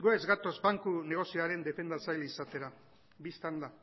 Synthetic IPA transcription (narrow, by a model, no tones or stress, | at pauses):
ɡoezɡat̪o̞zbaŋkune̞ɣ̞o̞sioaɾe̞nd̪e̞fe̞nd̪at͡sajlisat̪e̞ɾa | bist̪and̪a